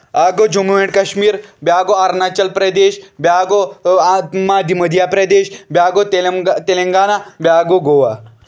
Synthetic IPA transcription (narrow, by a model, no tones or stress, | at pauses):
aːɡod͡ʒumuʋẽɳɖkɐʃmiːɾbjaːɡoaɾnat͡ʃɐlpɾɐd̪eːʃbʲjaːɡo | mad̪imɐd̪ʱjapɾɐd̪eːʃbjaːɡot̪t̪elɐŋɡaːnabjaːɡoɡoːʋa